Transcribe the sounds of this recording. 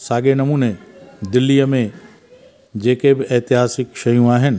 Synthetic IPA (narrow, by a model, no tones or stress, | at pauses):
saːɡenɐmuːned̪ɪlːijəmẽ | d͡ʑeːkebɪʔɛːt̪ɪɦaːsɪkʃɐjũaːɦɪnɪ̆